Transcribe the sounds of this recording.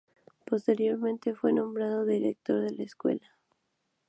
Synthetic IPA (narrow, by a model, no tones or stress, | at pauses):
po̞st̪e̞ɾjo̞ɾmẽnt̪e̞fwe̞nõ̞mbɾaðo̞ðiɾek̚t̪o̞ɾðe̞laeskwe̞̰la